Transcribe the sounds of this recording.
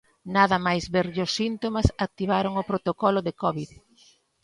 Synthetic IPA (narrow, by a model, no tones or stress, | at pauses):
naðɐmajzβeɾʎʊsːint̪omɐsak̚t̪iβ̞aɾoŋʊpɾot̪okɔlʊðekɔβið